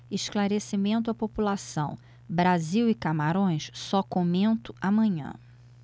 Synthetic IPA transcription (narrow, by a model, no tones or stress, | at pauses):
ɪʃklaɾesimẽnt̪ʊɐpopulasɐ̰̃w̃ | bɾaziwɪkamaɾõj̃ssɔkomẽnt̪ʊ̥amɐ̃ɲɐ̰̃